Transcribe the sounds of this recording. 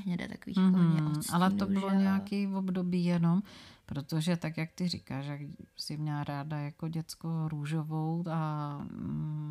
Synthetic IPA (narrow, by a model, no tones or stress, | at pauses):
ɲɛdɛ̰t̪akoviːʔalɛt̪obɪloɲɛakivobdo̞biːjɛno̞mpɾot̪oʒɛt̪akjak̚t̪ɪrɪkaːʃjaɡsɪmɲɛlaɾaːdajakoɟɛt͡skoɾuːʒovowt̪a